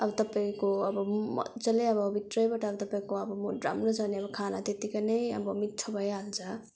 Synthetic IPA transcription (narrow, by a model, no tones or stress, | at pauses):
ʌbʌt̪ʌpaĩkoʌbʌmmʌ̰t͡sʌleʌbʌbit̪rʌjbaʈʌʌbʌt̪ʌpaĩkoʌbʌmɾa̰mrot͡sʰʌbneʌbʌkʰana̰t̪et̪ikanʌjʌ̰bʌmit̪t͡ʃʰʌbʱʌjalt͡sʰʌ